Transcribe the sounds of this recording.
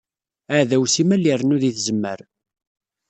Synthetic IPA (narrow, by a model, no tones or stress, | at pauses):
əʕðæwsimælːiɾnuðiθzəmːə̰ɾ